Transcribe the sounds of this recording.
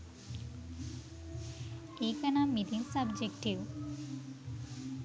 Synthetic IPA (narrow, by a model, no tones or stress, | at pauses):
eːkɐnamit̪iŋsɐbd͡ʒekʈiʋ